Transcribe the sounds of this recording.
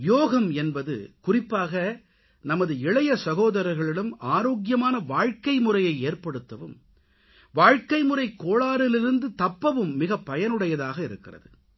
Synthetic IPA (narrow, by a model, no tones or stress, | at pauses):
joːɣɐmɛnbɐðɯ̰kʊrɪpːaːɣɐ | nɐmɐðɯɪɭɐjɐsɐɣoːðɐɾɐɾɣɐɭɪɭɯmaːɾoːɣjɐmaːnɐʋaːɻkɐɪmɯrɐjɐɪeːrpɐɽɯt̪ːɐʋɯm | ʋaːɻkɐɪmɯrɐɪkːoːɭaːɾɪlɪɾɯnd̪ɯt̪ɐpːɐʋɯmːɪɣɐpːɐjɐnɯɽɐjɐðaːɣɐɪɾɯkːɪrɐðɯ